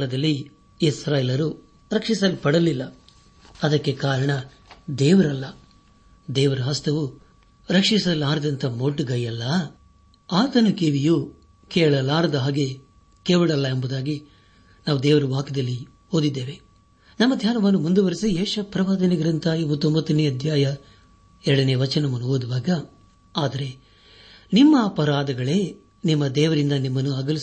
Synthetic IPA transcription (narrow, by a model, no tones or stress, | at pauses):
ɭɐd̪ɐlːi | isɾaːjelɐɾu | ɾɐkʂisɐlipɐɽɐlilːɐ | ɐd̪ɐkːe̞kaːɾɐɳɐ | d̪ɛːʋɐɾɐlːɐ | d̪ɛːʋɐɾɐɦɐst̪ʰɐʋu | ɾɐkʂisɐlaːɾɐd̪ɐnt̪ʰɐmoɖɡɐjɐlːɐ | aːt̪ɐnɐkeʋiju | kɛːɭɐlaːɾɐd̪ɐɦaːɡe̞ | keːʋuɽɐlːɐembud̪aːɡi | naːʋud̪ɛːʋɐɾuʋaːkɐd̪ɐlːi | oːd̪id̪ːe̞ːʋe | nɐmːɐd̪ʱjaːnɐʋɐnːumund̪uʋɐɾisieːʃɐpɾɐʋaːd̪ɐniɡɐɾɐnt̪ʰɐibut̪ombɐt̪ːɐneːɐd̪ʱjaːjɐ | ɛɾɐɽɐneːʋɐt͡ʃɐnɐmɐnːuɦoːd̪uʋaːɡɐ | aːd̪ɐɾe̞ | nimːɐːpɐɾaːd̪ɐɡɐɭe̞ː | nimːɐd̪ɛːʋɐɾind̪ɐnimːɐnːuɐɡɐlis